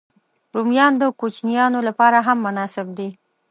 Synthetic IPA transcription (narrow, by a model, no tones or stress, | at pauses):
ɾumjɑnd̪əkot͡ʃnijɑnolapɑɾaɦamːʊnɑsɪb̚d̪i